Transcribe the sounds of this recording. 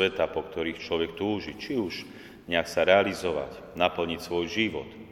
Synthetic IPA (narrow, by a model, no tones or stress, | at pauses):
ɛt̪apɔkt̪ɔɾiːxt͡ʃlɔʋɛkt̪uːʒit͡ʃiuʃ | ɲɛaksaɾɛalizɔʋa̰c | napl̩ɲicsʋɔjʒiʋɔ̰t̪